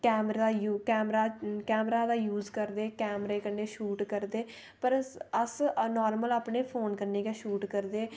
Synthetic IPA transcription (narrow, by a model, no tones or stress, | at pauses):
kɛːmɾd̪aːjuːkɛːmɾaːkɛːmɾaːd̪aːjuːzkəɾd̪eːkɛːmɾeːkənːeːʃuːʈkəɾd̪eː | pəɾəsnɔːɾməlaːpɳeːpʰoːnkəɾneːkeːʃuːʈkəɾd̪eː